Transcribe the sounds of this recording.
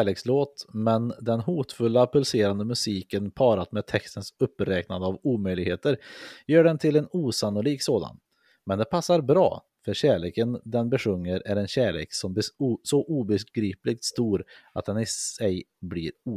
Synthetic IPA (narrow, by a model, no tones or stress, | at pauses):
ɭeːksloːt̪mɛnd̪ɛnhuːt̪fɵlːapʰɵlseːɾand̪əmɵsiːkənpʰɑːɾat̪mɛːd̪̚t̪ʰɛkst̪ənsɵpːɾɛːknad̪əavuːmœjlɪɡheːt̪əɾjœːɖɛnt̪ʰɪlɛnuːsanːʊliːksoːd̪a̰n | mɛnd̪ɛpʰasːaɾbɾɑ̰ː | fœɾɕæːɭeːkənd̪ɛnbɛʂɵŋːəɾæɾɛnɕæːɭḛːksɔmbsɔʔuːbɛɡɾiːplɪk̚t̪st̪uːɾat̪̚d̪ɛnɪɛjblḭːɾuː